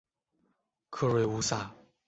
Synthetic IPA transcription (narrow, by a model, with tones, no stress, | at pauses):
kʰɤ˥˧ɻwe˥˩ɪu˧˥sa˥˩